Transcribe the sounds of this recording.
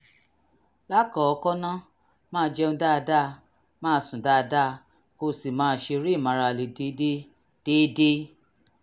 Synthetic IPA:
la˦kɔ˨ɔ˧kɔ˦nã˦ | mãː˦˧d͡ʒɛ˧ũ˧da˦˧da˦˧ | mãː˦˧˦sũ˨da˦˧da˦˧ | ko˧si˨mãː˨˦ʃe˧ɾi˦˨mã˨˧ɾa˧˨le˨de˨˦de˦ | d̥e˦de˦

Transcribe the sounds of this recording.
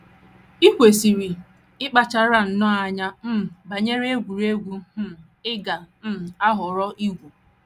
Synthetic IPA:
i˦kʷe˨si˨ɾi˨ | ɪ˦k͡pa˨t͡ʃa˦ɾa˦n̩˨nɔ˦a˨ɲa˦m̩˦˨ba˨ɲe˦ɾe˦ɡʷu˨ɾe˦ɡʷu˦m̩˦˨ | ɪ˦ɡa˨m̩˦˨a˦ɦʊ˨ɾɔ˦ʔi˦ɡʷu˨

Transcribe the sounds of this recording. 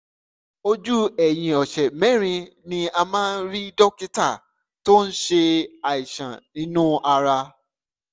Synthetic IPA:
o˧d͡ʒu˦ɛ˨j̃ĩ˨ɔ˨ʃɛ˨mɛ̃˦ɾ̃ĩ˧nĩ˧a˧mãː˦n̩˦ɾi˦dɔ˦ki˦ta˦˨ | to˦n̩˦ʃe˧a˨i˨ʃã̰˨nĩ˦nũ˦a˧ɾa˧

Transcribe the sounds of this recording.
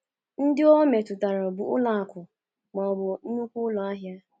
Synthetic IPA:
n̩˦dɪ˦o˦me˨tʊ˨ta˨ɾa˨bʊ˨ʊ˦la˨a˨kʷʊ˨ | mɔ˨bʊ˨˦nu˦kʷu˦lɔ˨a˦ɦja˦

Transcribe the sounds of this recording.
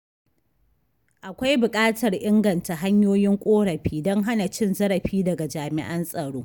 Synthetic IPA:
ʔa˨kʷa˦jbʊ˨kʼaː˦tɐ˨rʔɪ˦ŋɡɐ˨nta˨ɦa˦ɲjoː˦jɪ˦ŋkʷʼoː˦ɽɐ˨ɸiː˦dɔ˦ŋɦa˦na˨t͡ʃɪ˦nzɐ˦ɽɐ˨ɸiː˦dɐ˨ɡa˨d͡ʒaː˨mɪ̰˦ʔɐ˦nsʼɐ˨ɽoː˦

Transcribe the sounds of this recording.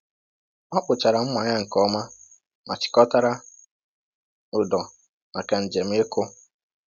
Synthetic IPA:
ma˦k͡pʊ˨t͡ʃa˨ɾa˨m̩˦mʷa˨ɲa˦ŋ̩˨kɔ˦ma˦ | ma˨t͡ʃɪ̥˨kɔ˦ta˦ɾa˦ | ʊ˨dɔ˨ | ma˨ka˨n̩˨d͡ʒe˨m̩˦e˦kʊ˦

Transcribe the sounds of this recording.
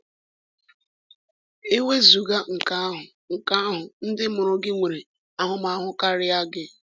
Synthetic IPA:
e˦we˦zu˨ɡa˦ŋ̩˨ka˦ɦʊ˨ | ŋ̩˨ka˦ɦʊ˨n̩˦dɪ˦mʊ˨ɾʊ˨ɡɪ˦ŋʷe˨ɾe˨ | a˦ɦʊ˦ma˨a˦ɦʊ˦ka˦ɾɪ˦a˦ɡɪ˦

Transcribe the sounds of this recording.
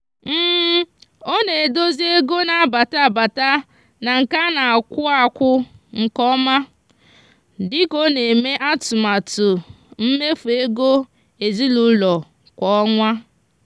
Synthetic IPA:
m̩ː˦˨˦o˦ne˨e˨do˦zi˦e˦ɡo˦na˨ba˨ta˦˨ba˨ta˦ | na˨ŋ̩˨ka˦na˨a˨kʷʊ˦a˦kʷʊ˦ŋ̩˨kɔ˦ma˦ | dɪ˦ko˦ne˨me˦ʔa˦tʊ˨ma˨tʊ˨ | m̩˦me˦fu˨e˦ɡo˦ | e˨zi˦lu˦lɔ˨ | kʷɔ˨ɔ˦ŋʷa˦

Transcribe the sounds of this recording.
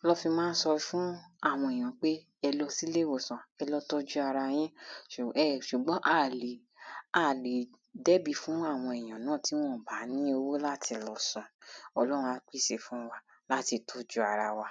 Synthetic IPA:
lɔ˦fĩ˧mãː˦n̩˦sɔ˧ɾi˧fũ˦a˦˨w̃ɔ̃˧ɛ˨j̃ã˨k͡pe˦ | ɛ˧lɔ˧si˦le˦˨wo˨sã˨ɛ˧lɔ˧tɔ˦d͡ʒu˦a˧ɾa˧j̃ɛ̃˦˨ɛ˦˨ʃu˨ɡ͡bɔ̃˨˦ʔa˦˨li˨˦ | a˦˨li˨ | dɛ˦bi˧fũ˦a˦˨w̃ɔ̃˧ɛ˨j̃ã˨nãː˦˨ti˨˦w̃ɔ̃˦˨ba˨˦nĩ˦o˧wo˦la˦tʰi˧lɔ˨sɔ̃˨ɔ˧lɔ˦ɾ̃ũ˧a˧˦k͡pi˦˨ʃe˧˨fũ˦wa˧ | la˦ti˧to˦d͡ʒu˦a˧ɾa˧wa˧

